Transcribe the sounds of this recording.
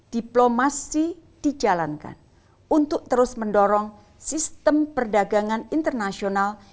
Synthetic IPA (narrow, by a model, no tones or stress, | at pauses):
d̥iplomasid̥id͡ʒalanka̰n | unt̪ʊk̚t̪əɾʊsməndɔɾɔŋ | sist̪əmpərdaɡaŋanint̪ərnasional